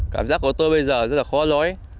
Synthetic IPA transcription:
kaː˧˩mzaː˦˥k̚ku˧˩ət̪o˧jɓə˧jzəː˨˩zə˦˥t̚laː˨˩xɔ˨˧˦lɔ˨˦j

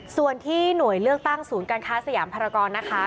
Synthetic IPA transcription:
su˨˩ənt̪ʰiː˥˩nu˨˩əjlɯ˥˩ək̚t̪a˥˩ŋsuː˩˦nkaː˧nkʰaː˦˥sa˧jaː˩˦mpʰa˧ɾa˧kɔː˧nːa˦˥kʰa˦˥

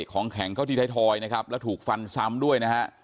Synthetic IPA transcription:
kʰɔː˩˦ŋkʰɛ˩˦ŋkʰa˥˩t̪i˧t̪ʰaː˦˥˩t̪ʰɔː˧jna˦˥kʰa˦˥p̚lɛː˦˥wt̪ʰuː˨˩k̚fa˧nsa˦˥˩mdu˥˩əjna˦˥ha˦˥ʔ

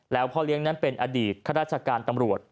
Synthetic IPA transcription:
lɛː˦˥wpʰɔː˥˩li˦˥əŋna˦˥npe˧nʔa˧diː˨˩t̪̚kʰa˥ɾaː˥˩t̪̚t͡ɕʰa˧kaː˧nt̪a˧mɾu˨˩ət̪̚

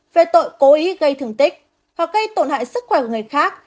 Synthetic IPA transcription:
ve˨˩t̪o̰˧˨jko˨˦ʔi˨˦ɣə˧jt̪ʰɨ˨˩əŋt̪ï˦˥k̟̚ | haː˨˩k̚ɣə˧jt̪o˧˩nha̰ː˧˨jsɨ˦˥k̚xwɛ˧˩kːŋɨ˨˩əjxaː˦˥k̚

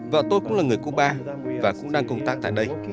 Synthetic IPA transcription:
və̰˧˨t̪o˧jkʊ̰˧˥laː˨˩ŋɨ˨˩əjku˧˥k̚ɓaː˧ | vaː˨˩kʊ̰˧˥ŋ͡mɗaː˧ŋkə˧wŋ͡mt̪aː˦˥k̚t̪a̰ː˧˨jɗə˧j

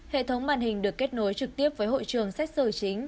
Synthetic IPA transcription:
hḛ˧˨t̪ʰə˨˦wŋ͡mɓaː˧˩nhï˨˩ŋ̟ɗɨ˨˩əkːe˦˥t̚no˨˦jt͡ɕɨ˨˩k̚t̪i˦˥əp̚vəː˨˦jɦo̰˧˨jt͡ɕɨ˨˩əŋsa˦˥jk̟̚sɨː˧˩t͡ɕï˨˦ŋ̟

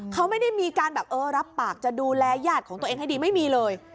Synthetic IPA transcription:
kʰa˦˥wma˥˩jda˥˩jmiː˧kaː˧nbɛː˨˩p̚ʔɤː˧ɾa˦˥pːaː˨˩k̚t͡ɕa˨˩ʔduː˧lɛː˧jaː˥˩t̪̚kʰɔː˩˦ŋt̪eː˧ŋɦa˥˩jdiː˧ma˥˩jmiː˧lɤː˧j

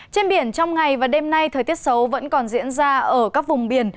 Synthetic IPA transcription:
t͡ɕe˧nɓi˧˩ənt͡ɕɔ˧wŋ͡mŋa˨˩jvaː˨˩ɗe˧mna˧jt̪ʰəː˨˩jt̪i˦˥ət̚sə˨˦wvə̰˧˥nkɔ˨˩nzḭ˧˥ənzaː˧ʔəː˧˩kaː˦˥k̚vʊ˨˩ŋ͡mɓi˧˩ən

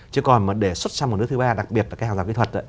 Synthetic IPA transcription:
t͡ɕɨ˧˦kɔ˨˩nməː˨˩ɗe˧˩swə˦˥t̚sa˧mo˨˩n˦˥t̪ɨ˧˦ɓaː˧ɗa˨˩k̚ɓi˨˩ət̚lːkhaː˨zaː˨˩kḭ˧˦t̪ʰə˨˩t̚ə̰˧˨

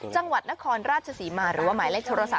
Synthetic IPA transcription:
t͡ɕa˧ŋwa˨˩t̪̚na˦˥kʰɔː˧nɾaː˥˩t͡ɕʰa˧siː˩˦maː˧ɾɯː˩˦waː˥˩maː˩˦le˥˩k̚t̪ʰoː˧ɾa˧sa˨˩

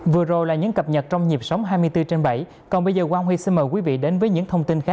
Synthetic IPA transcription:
vɨ˨˩əzo˨˩jlaː˨˩ɲɨ̰˧˥ŋkə˨˩p̚ɲə˨˩t̚t͡ɕɔ˧wŋ͡mɲi˨˩əp̚sə˨˦wŋ͡mɦaː˧jmɨ˧əjt̪ɨ˧t͡ɕe˧nɓə̰˧˩j | kɔ˨˩nɓə˧jzəː˨˩waː˧wŋ͡mhḭ˧˨si˧nməː˨˩jkwi˨˦vḭ˧˨ɗe˨˦nvəː˨˦jɲɨ̰˧˥ŋt̪ʰə˧wŋ͡mt̪i˧nxa˦˥k̚

